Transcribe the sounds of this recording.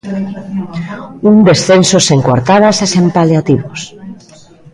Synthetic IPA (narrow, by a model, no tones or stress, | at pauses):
und̪e̞sθensoseŋkwa̰ɾt̪aðasesempaleat̪iβos